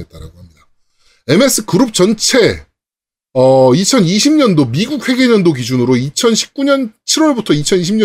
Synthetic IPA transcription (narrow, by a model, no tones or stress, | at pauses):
et̚t͈aɾa̰ɡohamɲida | e̞me̞s͈ɯkɯɾɯp̚t͡ɕʌnt͡ɕʰe̞ | ʌit͡ɕʰʌniɕʰimɲʌndomiɡuk̚ɸwe̞ɡe̞ɲʌndoɡid͡ʑunɯɾoit͡ɕʰʌnɕʰi̥p̚k͈uɲʌnt͡ɕʰiɾwʌɭbutʰʌit͡ɕʰʌniɕ̬ʰimɲʌ